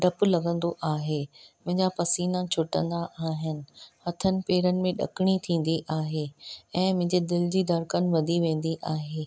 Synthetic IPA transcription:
ɖɐpʊ̆lɐɡə̃nd̪oʔaːɦeːmʊ̃ɦɪ̃ɲd͡ʑapɐsiːnãt͡ɕʰʊʈə̰̃nd̪aʔaːɦɪnɪ̆hɐt̪ʰənɪ̆peːɾənɪ̆mẽɗɐ̰kɪɽ̃it̪ʰĩːn̆d̪iʔaːɦeɛ̃ːmʊ̃ɦɪ̃ɲd͡ʑed̪ɪlɪd͡ʑiːd̪ɐɾkənɪ̆ʋɐd̪ʱiʋẽːn̆d̪iʔaːɦeː

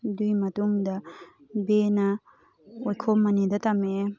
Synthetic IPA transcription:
dujmɐtuŋdɐ | benɐ | ojkʰomːɐnidɐtɐme

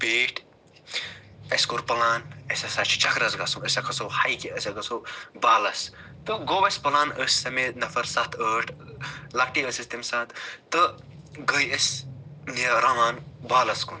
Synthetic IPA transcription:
beːʈʰ | ɐskuɾpɐlaːnɐsɐsat͡ʃʰi̥t͡ʃɐkɾɐsɡɐsuməsʲɐkʰɐsohɐjkiəsʲɐɡɐsobaːlɐs | t̪ɨɡobɐsʲpɐlaːnəsʲːɐmenɐfɐɾsɐt̪ʰəːʈʰlɐkʈiəsist̪imsat̪ʰt̪ɨ | ɡəjəsʲniɐɾɐmaːnbaːlɐskun

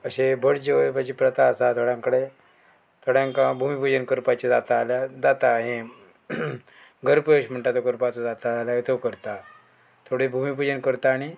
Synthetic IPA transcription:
əɕebʱəɽd͡ʑeʋpat͡ɕipɾət̪aəsat̪ʰoɽjãŋkəɽe | t̪ʰoɽjãŋkabʱumipud͡ʑənkəɾpat͡ɕed͡zat̪alad͡zat̪aɦẽ | ɡəɾpeɕm̤əɳʈat̪oɡəɾpat͡sɔd͡zat̪aaljaet̪ʰəkəɾt̪a | t̪ʰoɽebʱumipud͡ʑənkəɾt̪aːɽ̃i

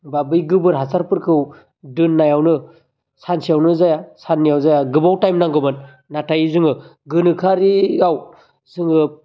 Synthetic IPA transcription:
babɯjɡɯbɯɾɦasʰaɾpɯɾkʰɯw | dɯnːajawnɯ | sansijawnɯzajasanːijawzajaɡɯbawtajmnaŋɡɯmɯnː | atajizɯŋɯ | ɡɯnɯkʰaɾijaw | zɯŋɯ

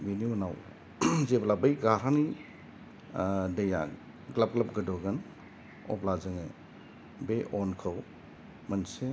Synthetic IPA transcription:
beninaw | zeblabɐjɡaɾani | dɐja̰ | ɡlap̚ɡlɐp̚ɡədɔɡɐn | ɔ̰plazɯŋe | beʔɔnkʰəw | mɐnse

